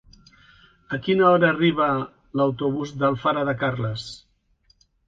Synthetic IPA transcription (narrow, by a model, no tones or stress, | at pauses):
əkinəɔɾəːriβ̞ə | ləwt̪uβuzd̪əlˠfaɾəðəkarləs